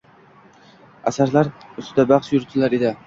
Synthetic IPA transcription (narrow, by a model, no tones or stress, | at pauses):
asaɾlaɾʊst̪ɪd̪abaχʃjʊɾt̪ʰɪlaɾed̪ɪ